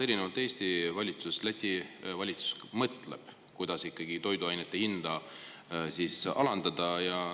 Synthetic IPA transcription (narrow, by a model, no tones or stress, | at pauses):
e̞ɾinevɑlt̪ːˑe̞ːst̪ivɑlʲit̪suslæt̪ʲːivɑlʲit̪su̥smɤt̪ˑlḛb̥ | kujd̪̥ɑsikˑːɑɡ̥it̪o̞jd̪uɑjnet̪ːe̞hind̪̥ɑ | sisɑ̰lɑnd̪̥ɑd̪ɑjɑ